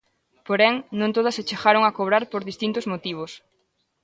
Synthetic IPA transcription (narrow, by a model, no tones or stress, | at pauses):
poɾɛŋnõnt̪oðɐset͡ʃeɣaɾʊŋɐkoβɾaɾpoɾðist̪int̪ʊzmot̪iβ̞os